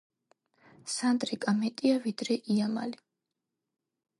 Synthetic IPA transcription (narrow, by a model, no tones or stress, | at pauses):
sand̪ɾikʼamɛt̪ʼiavid̪̥ɾɛʔiama̰li